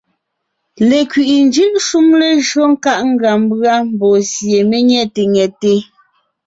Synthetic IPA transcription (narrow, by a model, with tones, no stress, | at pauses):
le˨kɥi˨ʔi˨n˦d͡ʒɯ˦ʔʃu˦mle˨ʒɰɔ˦ŋ̩˦ka˦ʔŋ̩˦ɡa˨m˦bɰa˦m̩˨bɔ˨sje˨me˦ɲɛ˦˨te˨ŋɛ˨te˦